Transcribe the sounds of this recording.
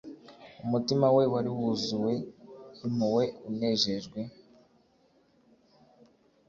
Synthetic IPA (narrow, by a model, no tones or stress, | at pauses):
umutimawe̞waɾiwuzuwe̞imuwe̞une̞ʒeʒɡwe̞